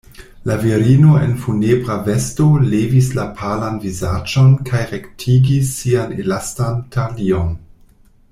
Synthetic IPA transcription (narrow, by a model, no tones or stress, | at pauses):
laviɾino̞ḛnfunebʁave̞sto̞levislapʰalanvizad͡ʒo̞nkʰajʁektʰiɡisːianelastantʰalion